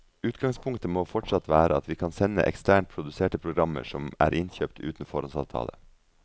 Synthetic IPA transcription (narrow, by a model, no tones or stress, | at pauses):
ʉːt̪ɡɑŋspʰʊŋkt̪əmoːfɔʈʂɑt̪ʋæːɾəɑt̪ʋiːkʰɑnsɛnːə̰ʔɛ̰kst̪ʰæːɳʈ̚pʰɾʊd̪ʉseːʈəpʰɾʊɡɾɑmːə̰ʂɔmæ̰ːɾʔɪnçøːpt̪ʰʉ̰ːt̪n̩fɔɾɔnsɑ̰ːʋt̪ʰɑ̰ːlə̰